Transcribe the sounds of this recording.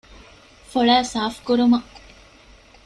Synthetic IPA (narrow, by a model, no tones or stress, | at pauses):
foɭæːsaːfkuɾumɐ